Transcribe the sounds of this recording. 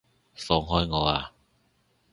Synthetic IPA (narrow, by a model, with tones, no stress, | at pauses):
sɔ˨˧˦ŋɦɔ˧jŋɔː˨˧˦a˨˧˩